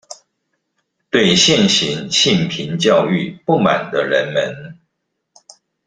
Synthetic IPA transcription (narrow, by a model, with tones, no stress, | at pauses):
t̪we˥˨ɪɕjɛ˥˨nɕi˨˦nɕi˥˩npʰi˨˦nt͡ɕjɑ˥˧ʊy˥˨pu˥˨ma̰˨˩nd̪ə˦ɻə˧˦nmə˧˦n